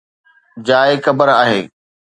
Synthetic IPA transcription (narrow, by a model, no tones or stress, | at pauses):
d͡ʑaːexɐbəɾaːɦeː